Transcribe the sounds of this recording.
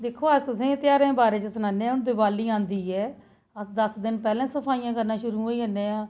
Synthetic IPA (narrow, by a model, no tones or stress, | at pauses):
d̪ekʰːoːaːt̪ʊsĩːt̪ɪjaːɾẽːbaːɾeːt͡ʃəsʊnaːnẽːɛːʊnd̪ɪːbaːliːãːnd̪iːɛː | əd̪əsd̪ɪnpɛːlẽːsəpʰaːijãːkəɾnaːʃʊɾuːɦoːiːɦənːẽːãː